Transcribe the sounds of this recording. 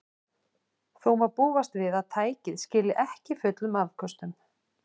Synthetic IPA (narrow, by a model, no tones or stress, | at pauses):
θowvaɾpuːvast̪vɪðaðt̪ʰaːjcɪðscɪːlɪʔɛhcɪfʏt̪lʏmaðkʰœst̪ʏm